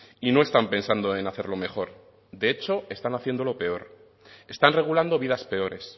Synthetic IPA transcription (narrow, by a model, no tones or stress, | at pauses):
ino̞e̞st̪ampe̞nsand̪oe̞naθe̞ɾlo̞me̞xo̞ɾ | d̪e̞et͡ʃo̞e̞st̪anaθje̞nd̪o̞lo̞pe̞o̞ɾ | e̞st̪anre̞ɣ̞uland̪o̞βiðaspe̞o̞ɾe̞s